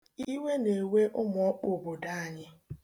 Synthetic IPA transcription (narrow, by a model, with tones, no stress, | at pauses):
i˦we˦ne˨we˦ʔʊ˦m˨ɔ˦k͡po˨bo˨da˦a˨ɲɪ˦